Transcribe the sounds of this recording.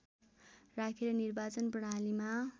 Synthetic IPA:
rakʰeɾʌnirbat͡sʌnpʌɽ̃alima

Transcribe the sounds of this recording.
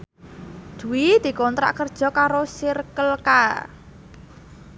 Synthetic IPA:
d̪̥ṳwid̪̥i̤kɔnt̪ɾa̰ʔkərd̥ʒ̥ɔ̤kaɾosirkəlka

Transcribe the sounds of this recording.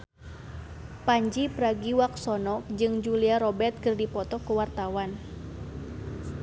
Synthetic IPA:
paɲd͡ʒipɾaɡiwak̚sɔnɔk̚d͡ʒɨŋd͡ʒuliaɾɔbɛrt̪̚kɨrdipɔt̪ɔkuwart̪awan

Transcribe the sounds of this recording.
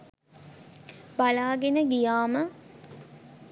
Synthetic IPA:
balaːɡenəɡijaːmə

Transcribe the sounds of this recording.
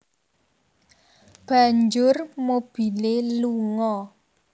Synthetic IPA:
b̥aɲd͡ʒʊrmob̥i̤leluŋɔ

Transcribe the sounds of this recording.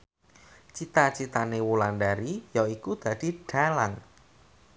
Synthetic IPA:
t͡ʃit̪at͡ʃit̪anewulandaɾijaikud̪̥a̤d̪̥i̤ɖ̥a̤laŋ

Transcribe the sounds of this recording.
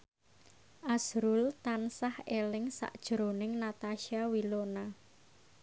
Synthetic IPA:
ʔasɾult̪ansahelɪŋsa̰ʔd̥ʒ̥ɾonɪŋnat̪aʃiawilona

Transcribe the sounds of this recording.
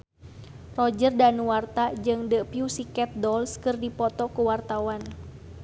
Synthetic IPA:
rɔd͡ʒərdanuwart̪ad͡ʒɨŋdəpiusikɛt̪̚dɔlskɨrdipɔt̪ɔkuwart̪awan

